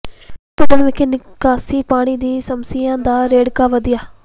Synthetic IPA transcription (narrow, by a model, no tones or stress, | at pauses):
pʊd̪əɳʋɪkeːnɪkaːsiːpaːɽ̃iːd̪iːsəmsiːjãːd̪aːɾeːɽkaːʋəd̪ɪjaː